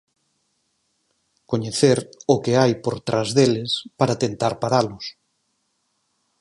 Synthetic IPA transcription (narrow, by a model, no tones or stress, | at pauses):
koɲeθeɾʊkeajpoɾt̪ɾʔazðelɪspaɾat̪ent̪aɾpaɾalʊs